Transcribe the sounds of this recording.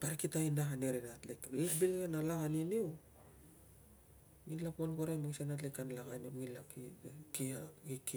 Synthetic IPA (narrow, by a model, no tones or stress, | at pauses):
paɾkitajndaɦaneɾenatlekekbilɡenalaɣaniniw | ɡilaponɡoɾajmaɡisenatlekːanalaɣaniwɡilakikiaɡik